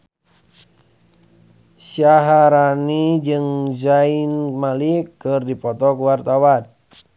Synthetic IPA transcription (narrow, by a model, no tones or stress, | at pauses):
saɦaɾanid͡ʒɨŋzainmalikɨrdipɔt̪ɔkuwart̪awan